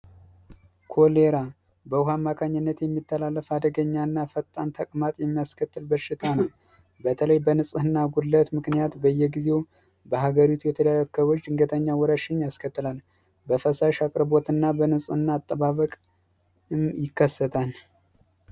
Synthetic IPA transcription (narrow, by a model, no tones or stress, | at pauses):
kʰo̞leɾa | bəhamːakʰaɲːɪnːət̪jɛmːit̪ʰːəlalːəfad̪əɡəɲːanːafət̪ʼːant̪ʰəkʼmat̪ʼjɛmːijaskʰət̪ːɨlbəʃːɪt̪ʰanəw | bət̪ʰələjbənɨsʼɨhɨnːaɡulːət̪mɨknijat̪bəjːɛɡize̞w | bəhaɡəɾit̪ʰujɛt̪ʰəlajəkʰːəwot͡ʃːd̪ɨŋɡət̪ʼəɲːawɔɾəʃɪɲːjaskʰət̪ːɨlal | bəfəsaʃakʼɨɾbo̞t̪ɨnːabənɨsʼɨhɨnːaːt̪ʼːəβaβəkʼ | ɨmjɪkʰːəsːət̪ʰal